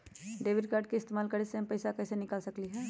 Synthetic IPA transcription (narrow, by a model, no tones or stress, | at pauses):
ɖeːʋɪɖkaːɾɖ̚keɪst̪eːmaːlkɐɾesempɐɪsakɛːsenɪkaːlsɐkliɦɛː